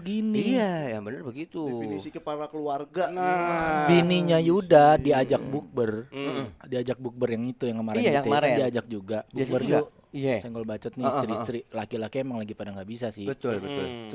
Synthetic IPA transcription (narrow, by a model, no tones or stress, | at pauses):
əɡiniajaŋbənərbəɡit̪uəpaɾakəluarɡa | biniɲajudadiad͡ʒak̚buk̚bərdiad͡ʒak̚buk̚bərjaŋit̪ujaŋkəmaɾɛŋaɛadiad͡ʒak̚d͡ʒuɡabukbərd͡ʒu | jasɛŋɡɔlbat͡ʃɔt̪̚nist̪ɾist̪ɾilakilakiemaŋlaɡipadaŋɡaʔbisasɪhbət̪ʊlbət̪ʊ̰l